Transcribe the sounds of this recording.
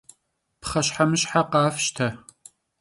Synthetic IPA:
pχɐɕħamɨɕħaqɑːfʃtʰɐ

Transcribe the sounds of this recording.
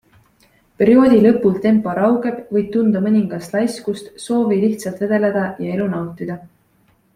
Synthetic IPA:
pe̞ɾio̞ːd̪̥ʲilɤ̞pːˑult̪e̞mpːˑo̞ɾɑwɡe̞b̥vɤj̥̚t̪und̪̥ɑmɤnʲiŋɡ̥ɑst̪lɑjskust̪so̞ːviliht̪sɑlt̪ve̞d̪̥e̞led̪̥ɑjɑe̞lunɑwt̪ˑid̪̥ɑ

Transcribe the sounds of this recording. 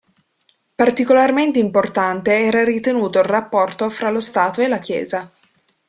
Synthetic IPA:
part̪ikolarment̪eimport̪ant̪eɛːɾaɾit̪enuːt̪oilrapːɔrt̪ofɾalost̪aːt̪oelakjɛ̰ːza

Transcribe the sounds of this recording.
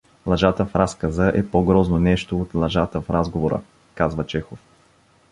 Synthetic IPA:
lˠɐʒat̪əfɾaskəzəʔɛpoɡɾɔznonɛʃt̪oːt̪lˠɐʒat̪əfɾazɡovoɾə̰ | kazvət͡ʃɛxof

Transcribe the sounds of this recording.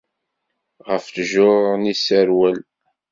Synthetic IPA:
ʁəfθʒʊɾnisæɾwæl

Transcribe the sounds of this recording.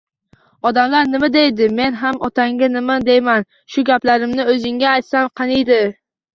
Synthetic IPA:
ɒd̪amlaɾnɪmad̪ejd̪ɪme̞nɦamɒt̪ʰaŋɡʲanɪmad̪ejman | ʃʊɡʲaplaɾɪmnɪɵzɪŋɡʲaːjt̪samqʰɑnijd̪ɪ

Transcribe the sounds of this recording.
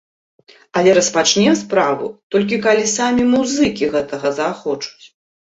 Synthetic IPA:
ɐlʲɛɾɐspat͡ʂnʲɛspɾavṵt̪ɔlʲk̬ʲikalʲisamʲimuzɨkʲiɣɛt̪ɐɣɐzaxɔt͡ʂu̥t͡sʲ

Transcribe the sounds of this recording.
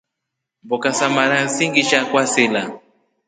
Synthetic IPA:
bɔkasamaɾan̩siŋɡiʃakwasela

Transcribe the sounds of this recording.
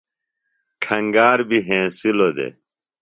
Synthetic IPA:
kʰɐ̃ŋɡaːɾbiɦẽːsilod̪ḛ

